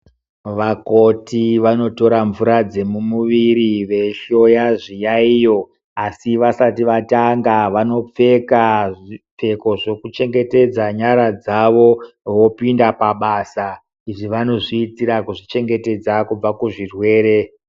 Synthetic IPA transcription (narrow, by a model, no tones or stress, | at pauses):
ʋako̞tiʋano̞to̞ɾaɱvuɾad͡ze̞mumuʋiɾiʋe̞ʃo̞jaʐijaijo̞ | asiʋasatiʋataŋɡaʋano̞p͡fe̞kaʐip͡fe̞ko̞ʐokut͡ʃe̞ŋɡe̞te̞d͡zaɲaɾad͡zaʋo̞ʋo̞pindapaɓasa | iʐiʋano̞ʐiːtiɾakuʐit͡ʃe̞ŋɡe̞te̞d͡zakub͡vakuʐirwe̞ːɾe̞